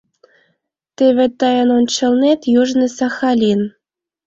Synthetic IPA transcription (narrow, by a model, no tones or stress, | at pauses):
t̪eβʲĕt̪ɑjɤnont͡ɕɤ̆lˠnet̪juʒnɤ̆sɑxɑlʲin